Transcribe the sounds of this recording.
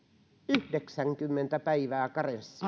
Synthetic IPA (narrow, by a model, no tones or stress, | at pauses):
yhdeksæŋkymːent̪æpæiʋæːkɑresːɑ